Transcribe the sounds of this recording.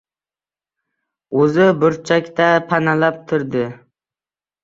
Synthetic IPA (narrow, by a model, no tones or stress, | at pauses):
ɵzɪbʊɾt͡ʃʰakʲt̪apʰanalap̚t̪ʰʊɾd̪ɪ